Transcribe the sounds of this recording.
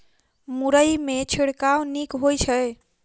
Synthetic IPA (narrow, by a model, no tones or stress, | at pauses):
muɾəjmet͡ʃʰiɽkawnikɦojt͡ʃʰəj